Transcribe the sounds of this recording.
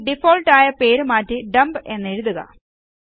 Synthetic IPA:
ɖifo̞ːlʈaːjɐpe̞ːɾumaːtːɨɖɐmbe̞nːe̞ɻuðuɣɐ̰

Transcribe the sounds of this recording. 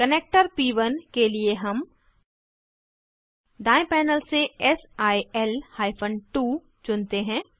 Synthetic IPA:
kəneːk̚ʈəɾpiːʋənkelieɦɐm | ɖ̪aːẽpɛːnəlseɛsaːiɛlhaːɪpʰə̃nʈuː | t͡ʃʊnt̪eɦɛ̃ː

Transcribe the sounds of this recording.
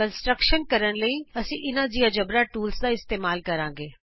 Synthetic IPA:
ənsʈɾəkʃənkɐɾəɽ̃ləiɐsĩʔɪnãd͡ʑijãd͡ʒɐbɾaʈuːlsd̪aɪst̪eːmaːlkɐɾãːŋɡeː

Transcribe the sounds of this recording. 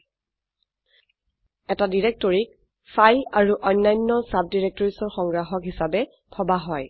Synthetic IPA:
ɛtadiɹɛk̚tɔɹik̚ | fʰajlaɹuʔɔjnːajnːɔsap̚diɹɛk̚tɔɹisɔɹxɔŋɡɹaxɔkɦisabɛ | pʰɔbaɦɔj

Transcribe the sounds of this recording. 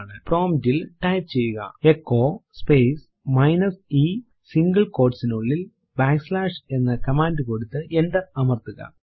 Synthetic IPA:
ɳɨpro̞ːmtilʈɐjpt͡ɕejːuɣɐ̰ekːo̞ːspejs | mɐjnɐsi | siŋɡɐɭko̞ːʈsinuɭːil | baːkslaːʂe̞nːɐkɐmaːndɨkoɽut̪ːɨenɖɐɐmɐrt̪uɣɐ̰

